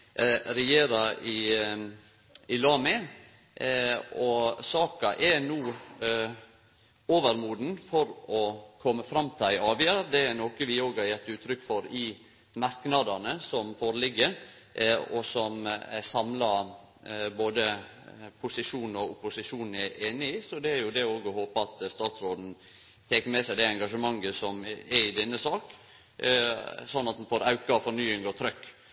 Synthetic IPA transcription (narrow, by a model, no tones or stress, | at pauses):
ɾɛjeːɾɑɪ | ɪlɑːmɛ | ɔsɑːkɑʔɛnuː | oːʋəɾmuːd̪n̩fɔɾɔkʰɔmːəfɾɑmːt̪ʰɪlæɪɑːʋɪɑɾd̪ɛænoːkəʋɪoːɡhɑɾjɛt̪ːʉːt̪ʰɾʏkːfɔɾɪ | mɑɾknɑd̪ɑnəsɔmfoːɾəlɪɡːə | ɔsɔmsɑmlɑɾ | boːd̪ə | pʰʊsɪʂuːn̩ɔʊpʊsɪʂuːnn̩æɾeːnɪɪsɔd̪ɛæɾjʊd̪ɛoːɡɔhoːpəɑt̪st̪ɑːt̪sɾoːd̪n̩ | t̪ʰeːkəmɛsæɪd̪ɛɛŋɡɑʂəmɑŋːəsɔmɛɾɪd̪ɛnːəsɑːk | sɔnːɑt̪̚d̪ɛnfoːɾɑʉkɑfɔɾnyːɪŋɔt̪ʰɾœkː